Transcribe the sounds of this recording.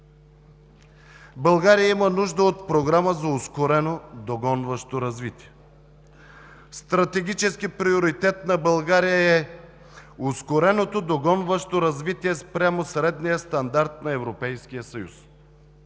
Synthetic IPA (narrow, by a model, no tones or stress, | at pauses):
bɐlˠɡaɾijəimənuʒd̪əot̪pɾoɡɾaməzɐoskoɾɛnod̪oɡɔnvɐʃt̪oɾɐzvit̪iɛ | st̪ɾɐt̪ɛɡ̟ʲit͡ʃɛskipɾioɾit̪ɛt̪nɐbɐlˠɡaɾijəɛ | ʊskoɾɛnot̪od̪oɡɔnvəʃt̪oɾɐzvit̪iɛspɾʲamosɾɛd̪nijəst̪ɐnd̪aɾt̪nɐɛvɾopɛjsk̟ijəsɐjṵs